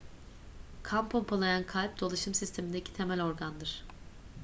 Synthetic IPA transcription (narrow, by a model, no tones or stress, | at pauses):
kʰampʰompʰolˠajankʰalʲp̚d̪o̞lˠaʃɯmsist̪ʰe̞mind̪ecʰi̥t̪ʰe̞mælʲo̞ɾɡand̪ɯɾ̥